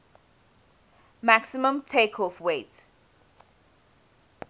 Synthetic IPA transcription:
maksimə̃mtʰeːkʰɔfweːt

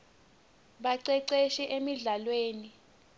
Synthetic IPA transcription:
ɓaǀɛǀeʃiʔemiɮalweːni

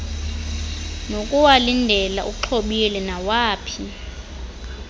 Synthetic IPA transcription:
nokʼuwalindʱɛla̰ʔuǁʰoɓilɛnawaːpʰi

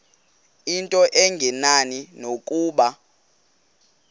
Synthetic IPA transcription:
intʼɔʔɛŋɡʱɛnaninokʼuːɓa

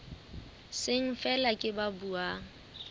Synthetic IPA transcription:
sɪŋ̩fɛlakʼɪbabuaːŋ̩

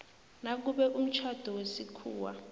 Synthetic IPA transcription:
nak̬uɓɛʔum̩t͡ʃʰad̥ʱɔwesikʰuːwa̰

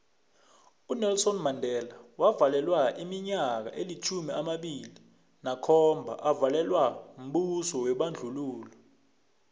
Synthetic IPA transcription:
unɛlsɔnmandʱɛːlawavalɛlwaʔimiɲak̬a̰ʔelit͡ʃʰumiamaɓili | nakʰɔmbʱa̰ʔavalɛlwam̩ɓusɔwɛɓand͡ɮʱuluːlɔ

